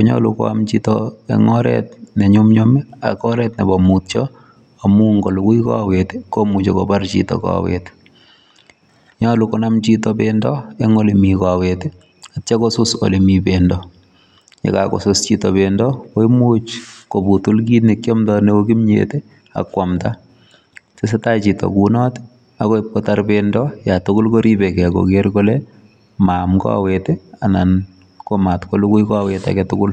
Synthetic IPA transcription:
koɲɔ̰lukɔ̰a̰mt͡ʃitɔḛŋɔɾɛ̰tneɲʊmɲomia̰kɔɾɛtnebɔmutt͡ʃɔ | amuŋɡɔlukuika̰wetekomut͡ʃekɔ̰bart͡ʃḭtɔ̰ka̰ːwḛt | ɲalukonamt͡ʃitɔbendɔeŋolimikawete | att͡ʃakosʊso̰limibendɔ | jɛ̰kako̰sost͡ʃitɔbendɔkoimut͡ʃkobutulkinikjɔmtɔneoɡimɲḛte | a̰kwamta | ses̬etat͡ʃitɔ̰kunɔt | akɔip̚kɔtarbendɔjatʊkʊlkoɾibɛkɛkɔ̰keɾkɔlɛ | mamkɔ̰a̰weteanan | komatkolukukɔaweta̰kɛtʊkʊl

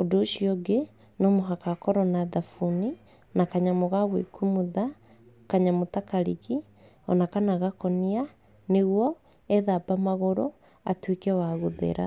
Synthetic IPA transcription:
odoːʃiɔɡe | nɔmoɦakakɔɾɔnaðafuni | nakaɲamoɣaβwḛkumuða | kaɲamotakaɾḭɣi | ɔnakanaɣakɔnia | neɣwɔ | ɛðabamaɣoɾɔ | atwekɛwaɣoðḛɾa̰

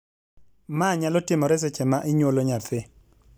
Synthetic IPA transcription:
maɲalɔtɪmɔɾɛs̬ɛt͡ʃɛmaʔɪɲwoloɲat̪ʰɪ

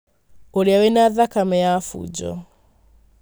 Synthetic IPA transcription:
ɔliawɛnaðakamɛjafṵd͡ʒɔ̰

